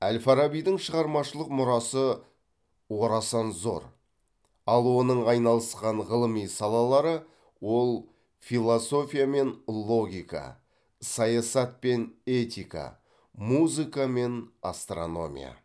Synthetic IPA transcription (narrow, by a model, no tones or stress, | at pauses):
ælfaɾabijd̪əŋʃəʁɑɾmɑʃəlˠəqmʊɾɑsə | wo̞ɾɑsɑnzo̞̰ɾ | ɑlˠwo̞nəɴɑjnɑlˠəsqɑɴʁəlˠəmijsɑlˠɑlˠɑɾə | wo̞lˠ | filˠoso̞fʲijame̞nlˠo̞ɡʲijka̰ | sɑjɑsɑt̪̚pe̞ne̞t̪ʲijka̰ | muzɨkame̞nast̪rono̞mʲḭja̰